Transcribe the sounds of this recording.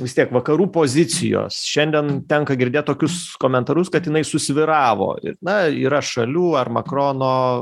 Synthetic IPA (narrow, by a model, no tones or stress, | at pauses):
ʋʲɪstʲiɛkʋɐkɐɾuːpoːzʲɪsʲɪjo̰ːsʃʲɛnʲd̪ʲɛnt̪ʲɛŋkɐɡʲɪɾʲd̪ʲeːt̪̚t̪oːkʲʊskoːmʲɛnt̪ɐɾʊskɐt̪jɪnɐɪsʊsʲʋʲɪɾɑːʋo̰ːɪ̰ɾnɐiːɾɐʃɐlʲuːɐrmɐkɾoːnoː